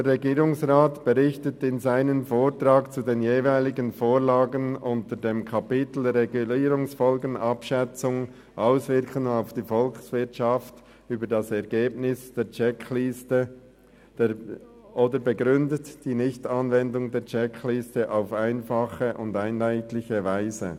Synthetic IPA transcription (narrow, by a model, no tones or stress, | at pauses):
d̥eːɛɡiːʁʊŋsʁaːtb̥əʁɪçtətɪnzaɪnənfoːɹtɾaːkt͡sudeːnjeːvaɪlɪɡənfoːɹlaːɡənʊntədeːmkʰɑpɪtl̩dɛɾʁeɡuliːɾʊŋsfɔlɡənɑpʃɛt͡sʊŋ | ʔaʊsvɪɐkʰənaʊfd̥iːfɔlksvɪtʃaft | yːbədɑsɛɐɡeːbnɪsd̥eːt͡ʃɛklɪstə | d̥ | ʔoːdəbəɡʁʏndətd̥iːnɪçtɑnvɛndʊŋdeːt͡ʃɛklɪstəʔaʊfaɪnfɑχəʔʊndaɪnlaɪtlɪçəvaɪzə̰